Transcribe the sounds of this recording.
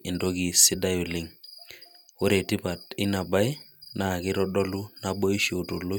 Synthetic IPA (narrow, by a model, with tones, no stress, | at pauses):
ɪ˨ndo˦ki˨sɪ˦da˦jʊ˨lɪ˦ŋ | o˦ɾe˨tɪ˦pa˨t̚ɪ˦na˨ba˦ɪ˦na˨kɪ˦ɾɔ˦dɔ˦lu˦na˦bɔ˦i˦ʃo˨to˨lo˦